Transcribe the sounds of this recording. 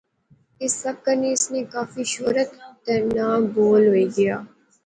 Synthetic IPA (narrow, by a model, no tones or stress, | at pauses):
ɪsːɐb̚kɐɾneɪsnekaːfiʃoːɾət̪t̪ɐɾnaːmboːlɦoiɡɪjaː